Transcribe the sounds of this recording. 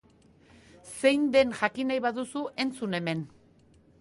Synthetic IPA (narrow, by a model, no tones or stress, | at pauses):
se̞jnd̪e̞nʝakinajβaðusuʔe̞nt͡sune̞me̞n